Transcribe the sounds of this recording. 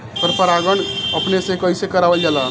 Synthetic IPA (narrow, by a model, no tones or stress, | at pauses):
pəɾpəɾaɡəɳəpnesẽkəisekəɾabəld͡ʒalaɦ